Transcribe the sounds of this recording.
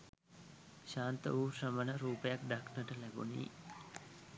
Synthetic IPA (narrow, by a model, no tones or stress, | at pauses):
ʃaːnt̪ə̰ʋuːsəmənəɾuːpejakɖaknəʈəlæɡṵnḭː